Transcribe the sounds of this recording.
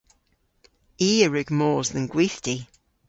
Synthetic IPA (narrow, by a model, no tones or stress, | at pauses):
iːəɹʉɡmɔːzðənɡwiθtʰi